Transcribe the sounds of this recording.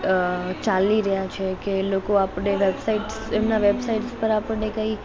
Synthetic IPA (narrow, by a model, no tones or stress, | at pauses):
t͡ʃaliɾəɦjat͡ʃʰekelokoapəɽeʋebsaiʈsemnaʋebsaiʈspəɾapəɽnekəi